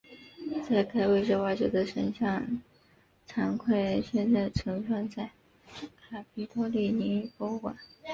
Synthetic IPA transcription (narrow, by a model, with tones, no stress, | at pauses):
t͡sa˥˩ɪkʰa˥ɪwe˥˧ɪʈ͡ʂɻɤ˥˧wa˥˩ʈ͡ʂɔ˨˧˩d̪ə˧ʂə˧˥nɕjɑ˥˩ŋ | ʈ͡ʂʰɑ˧˥ŋkʰwe˥˧ɪɕjɛ˥˧nt͡sa˥˩ɪʈ͡ʂʰɤ˧˥ŋfɑ˥˧ŋt͡sa˥˩ɪ | kʰa˨˩pʰi˧˥t̪ʰɔ˥li˥˩ni˧˥˨pɔ˥ʊkwa̰˨˩˦n